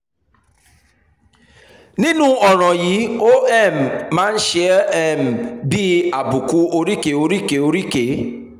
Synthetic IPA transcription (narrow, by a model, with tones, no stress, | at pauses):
nĩ˦nũ˦ɔ˨ɾ̃ɔ̃˨ji˨˦o˦ɛ˦˨m̩˨mãː˦n̩˦ʃe˦ɛ˦m̩˨bi˦a˨bu˨ku˦o˧ɾi˦ke˨˦o˧ɾi˦ke˨o˧ɾi˦ke˨˦